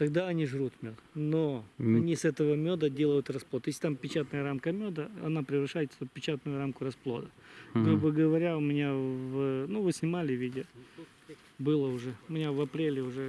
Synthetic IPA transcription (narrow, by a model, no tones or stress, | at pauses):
t̪ɐɡd̪aɐnʲiʐɾut̪mʲod̪noɐnʲisɛt̪əvəmʲod̪ədʲe̞lˠəjʊt̪rɐsplˠot̪jesʲɪt̪ampʲɪt͡ɕat̪nəjəɾamkəmʲod̪əɐ̰napɾʲɪvɾɐʂajɪt̪səpʲɪt͡ɕat̪nʊjʊɾamkʊɾɐsplˠo̞̰d̪ə | ɡɾubəɡəvɐɾʲaʊmʲɪnʲavnuvɨsʲnʲɪmalʲɪvʲidʲɪ | bɨlˠəʊʐɛʊmʲɪnʲavɐpɾʲelʲɪʊʐɛ